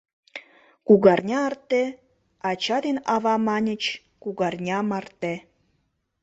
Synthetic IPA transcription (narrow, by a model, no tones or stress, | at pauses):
kuɣɑrnʲɑərt̪e | ɑt͡ɕɑd̪enɑβɑmɑnʲə̆t͡ɕ | kuɣɑrnʲɑmɑrt̪e